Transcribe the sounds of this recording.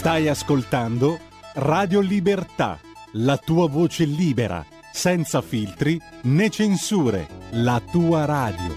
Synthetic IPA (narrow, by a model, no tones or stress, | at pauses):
st̪ajaskolt̪and̪o | raːd̪jolibert̪a̰ | lat̪uːavoːt͡ʃeliːbeɾa̰ | sɛnt̪safilt̪ɾi | net͡ʃensuːɾḛlat̪uːaɾaːd̪jo̰